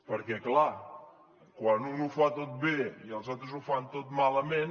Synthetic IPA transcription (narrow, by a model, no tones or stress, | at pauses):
pəɾkɛkla | kwanunufat̪ot̪̚beiəlˠzalˠt̪ɾəzufant̪ot̪maləmen